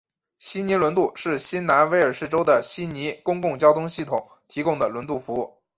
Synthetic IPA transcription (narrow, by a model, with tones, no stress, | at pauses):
ɕi˥ni˧˥lwə˧˥nt̪u˥˩ʂɻ̩˥˩ɕi˥nna˧˥nwe˧˥ɪə˞˨˩ʂɻ̩˥˩ʈ͡ʂo˥ʊd̪ə˨ɕi˥ni˧˥kʊ˥ŋkʊ˥˩ŋt͡ɕjɑ˥ʊt̪ʰʊ˥ŋɕi˥˩t̪ʰʊ˨˩˦ŋ | t̪ʰi˧˥kʊ˥ŋd̪ə˩lwə˧˥nt̪u˥˩fu˧˥u˥˩